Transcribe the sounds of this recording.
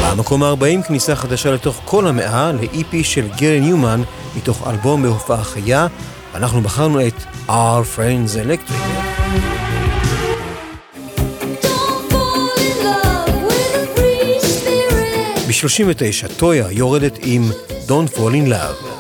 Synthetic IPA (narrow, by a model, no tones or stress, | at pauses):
bamako̞maːʁbaʔimknisaχadaʃale̞to̞χkʰo̞lhameʔaleʔipiʃe̞lɡeʁenjuman | mito̞χa̰lbo̞mbehofaχaja | veanaχnubaχaʁnue̞tʔafʁendzelekt̪ʁik | d̥onfolɪnlʌvwɪðəbɹispɪɹɪɪtbiʃlo̞ʃinvete̞jʃato̞jajo̞ʁede̞timdo̞nfolinla̰v